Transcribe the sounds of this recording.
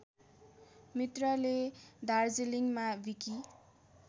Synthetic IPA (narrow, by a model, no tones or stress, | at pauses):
mit̪rʌled̪ard͡zeliŋmabiki